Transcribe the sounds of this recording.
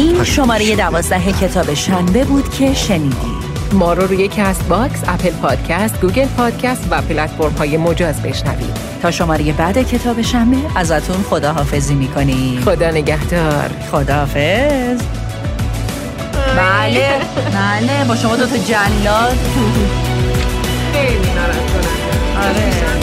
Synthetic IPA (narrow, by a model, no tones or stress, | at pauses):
iːnʃo̞mɒːɾeje̞d̪ævɒːzd̪æɦe̞cʰe̞t̪ʰɒːbe̞ʃæmbe̞buːd̪̥cʰe̞ʃe̞niːd̪ḭːd̥ | mɒːɾoɾuːjecʰæst̪bɒksæpʰelpʰɒːd̪̥cʰæst̪̚ɡuːɡelpʰɒːd̪̥̚cʰæst̪væpʰelæt̪foɾmhɒːjemo̞d͡ʒɒːzbe̞̰ʃnæ̰vḭːd̪̥ | t̪ʰɒːʃo̞mɒːɾeje̞bæd̪e̞cʰe̞t̪ʰɒːbe̞ʃæmbe̞ʔæzæt̪ʰunxo̞d̪ɒːɦɒːfe̞ziːmiːkʰo̞niːxod̪ɒːneɡæhd̪̥ɒːɾ | xod̪ɒːhɒːfez | bælebælebɒːʃomɒːd̪ot̪ʰɒd͡ʒænijɒːzt̪ʰu | xejlisæɾætkʰoɾe | e | ɒɾe